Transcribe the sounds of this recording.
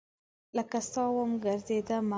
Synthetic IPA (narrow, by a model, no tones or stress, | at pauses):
ləkast̪ɑwəmɡəɾzed̪ama